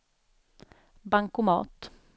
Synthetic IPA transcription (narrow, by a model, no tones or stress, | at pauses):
baŋkʊmɑ̰ːt̪